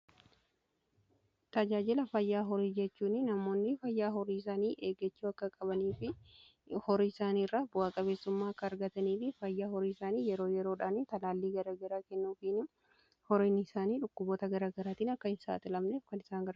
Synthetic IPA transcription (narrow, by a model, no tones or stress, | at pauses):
t̪ɐd͡ʒaːd͡ʒɪlɐfɐjːaːɦɔɾiːd͡ʒɛt͡ʃːuːnɪnɐmo̞ːnːɪfɐjːaːɦɔɾiːɪsaːniːʔe̞ːɡɛt͡ʃːuːɐkːɐkʼɐbɐniːfɪ | hɔɾiːɪsaːniːrːaːbʊaːkʼɐbe̞ːsːʊmːaːɐkːɐːɾɡɐt̪ɐniːfɪfɐjːaːhɔɾiːɪsaːniːjɛɾo̞ːjɛɾo̞ːᶑaːnɪt̪ɐlaːlːiːɡɐɾaːɡɐɾaːkɛnːuːfɪn | hɔɾiːnɪsaːniːᶑʊkːʊboːt̪ɐɡɐɾaːɡɐɾaːt̪iːnɐkːɐɪnsa̰ːt̪ɪlɐmneːfkɐnɪsaːŋɡɐɾ